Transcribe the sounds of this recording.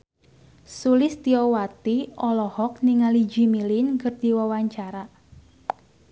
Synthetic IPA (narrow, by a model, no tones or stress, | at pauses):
sulɪst̪iɔwat̪iɔlɔhɔk̚niŋali̥d͡ʒi̤milinkərd̪̥i̤wawaɲt͡ʃaɾa